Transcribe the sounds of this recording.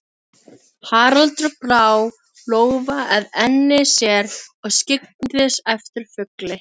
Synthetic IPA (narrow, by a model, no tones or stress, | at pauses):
haːɾalt̪ɾʏpɾaːw | loːɣvaʔɛðɛnːɪsjɛɾɔɣscɪk̚nnʏðɪsɛft̪ɪɾ̥fʏklɪ